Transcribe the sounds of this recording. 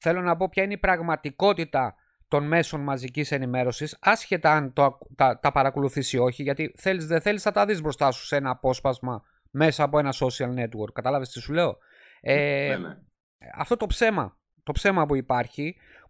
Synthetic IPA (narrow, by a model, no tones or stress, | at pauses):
θe̞lo̞nɐpo̞pçɐineipɾɐɣmɐt̪iko̞t̪it̪ɐ | t̪o̞nme̞so̞nmɐzicise̞nime̞ɾo̞sisɐsçe̞t̪ɐɐnt̪ot̪ɐt̪ɐpɐɾɐko̞luθisio̞çiʝɐt̪iθe̞lizðeθe̞liznɐt̪ɐðizbɾo̞st̪ɐsu̥se̞nɐːpo̞spɐzmɐ | me̞sɐːpo̞e̞nɐso̞siɐlne̞t̪woɾkːɐt̪ɐlɐvest̪isule̞o̞ | e | ɐ̰ft̪o̞t̪o̞pse̞mɐ̰ | t̪o̞pse̞mɐpuipɐɾçi